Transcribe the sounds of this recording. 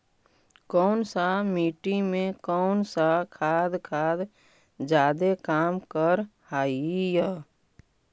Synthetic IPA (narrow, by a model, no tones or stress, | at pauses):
kɔːnsamiːʈimẽkɔːnsakʰaːd̪kʰaːd̪ | d͡ʒaːd̪ekaːmkəɾhaːijə